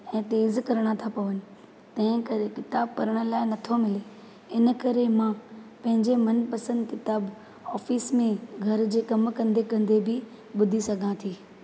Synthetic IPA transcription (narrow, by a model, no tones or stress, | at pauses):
ɛ̃ːt̪eːzkɐɾɽ̃at̪ʰapɐʋənɪ̆ | t̪ɐ̃ɦɪ̃kɐɾekɪt̪aːb̚kɐɾəɽ̃ə̆laːɪnɐt̪ʰomɪle | ɪnəkɐɾemãpɐ̃ɦɪ̃ɲd͡ʑemɐnpɐsə̃nd̪kɪt̪aːb | ɔːfiːsmẽɡʱɐɾd͡ʑeːkɐmkɐ̃nd̪ekɐ̃nd̪ebʱɪ | ɓʊd̪ʱisɐɡʱãt̪ʰiː